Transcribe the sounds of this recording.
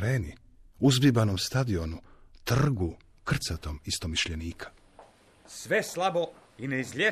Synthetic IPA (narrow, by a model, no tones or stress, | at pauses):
ɾeːni | uzbibanomst̪ad̪io̞nut̪rr̩ɡu | kr̩t̪sat̪o̞mist̪o̞miʃʎeniːkʰḁ | sʋeslˠabo | ineizʎʲe